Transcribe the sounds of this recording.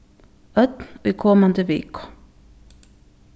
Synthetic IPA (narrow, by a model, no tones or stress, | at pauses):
œt̪niːkʰɔmand̪əʋḛːkʰʊ̥